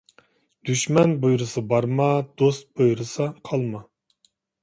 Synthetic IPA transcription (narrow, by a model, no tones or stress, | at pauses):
d̪̥yʃmɛnbujɾɨsɨbɑɾmɑd̪̥ost̪̚bojɾɨsɑqʰɑlˠmɑ